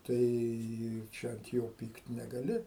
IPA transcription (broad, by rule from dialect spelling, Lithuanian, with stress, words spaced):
tɐɪ ˈt͡ʃʲɛ ɐnt ˈjoː ˈpʲiːkt nʲɛɡɐˈlʲɪ